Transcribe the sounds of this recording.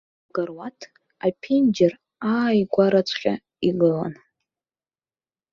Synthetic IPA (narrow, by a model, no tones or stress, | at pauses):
ɡarwatʰ | apʰind͡ʒɪr | aːjɡʷaɾat͡sʷʰʼχʲa | iɡɨla̰n